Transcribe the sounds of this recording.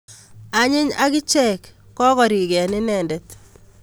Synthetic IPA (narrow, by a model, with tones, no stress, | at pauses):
a˨ɲɪ˦ɲa̰˦kɪ˦t͡ʃɛ˦˨kː | ɔ˦kɔ˨ɾi˨ɡɛ˨nɪ˦nɛ˨ndɛ˨t̪